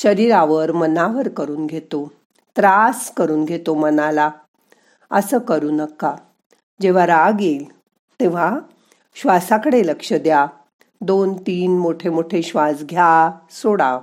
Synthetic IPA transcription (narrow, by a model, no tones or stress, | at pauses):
ɕəɾiɾaʋəɾmənaʋəɾkəɾuːnɡʱet̪o | t̪ɾaskəɾuːnɡʱet̪omənala | əsəːkəɾuːnəkːa | d͡ʑeʋ̤aɾaɡel | t̪ẽʋ̤a | ɕʋasakəɽeləkʂəd̪ja | d̪ont̪iːnmoʈʰemoʈʰeɕʋasɡʱjasoɽa